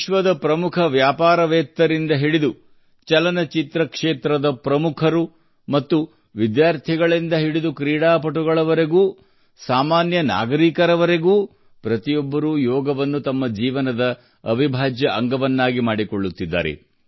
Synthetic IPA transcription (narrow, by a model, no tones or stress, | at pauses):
ʃʋɐd̪ɐpɾɐmukʰɐʋjaːpaːɾɐʋɛːt̪ːɐɾind̪ɐɦiɽid̪u | t͡ʃɐlɐnɐt͡ʃit̪ɾɐkʂeːt̪ɾɐd̪ɐpɾɐmukʰɐɾu | mɐt̪ːu | ʋid̪jaːɾt̪ʰiɡɐɭind̪ɐɦiɽid̪ukɾiːɽaːpɐʈuɡɐɭɐʋɐɾe̞ɡuː | saːmaːnjɐna̰ːɡɐɾiːkɐɾɐʋɐɾe̞ɡuː | pɾɐt̪ijɔbːɐɾujɔːɡɐʋɐnːut̪ɐmːɐd͡ʒiːʋɐnɐd̪ɐː | bʱibʱaːd͡ʒjɐʔɐŋɡɐʋɐnːaːɡimaːɽikoɭːut̪ːid̪ːa̰ːɾḛ